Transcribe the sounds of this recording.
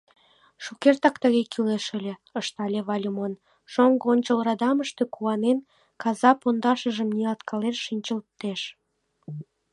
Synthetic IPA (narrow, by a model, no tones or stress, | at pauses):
ʃukert̪ɑkt̪əɣekyleʃə̆lʲeəʃt̪ɑlʲeβɑlʲumon | ʃoŋɡonʲt͡ɕəlrɑd̪ɑməʃt̪ekuɑnen | kɑzɑpond̪ɑʃəʒəmniɑlt̪kʰɑleʃʃinʲt͡ɕəlt̪ːeʃ